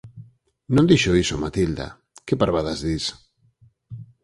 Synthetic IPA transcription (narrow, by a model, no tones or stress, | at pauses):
nõnd̪iʃoisomat̪ild̪a̰ | kepaɾβaðazðis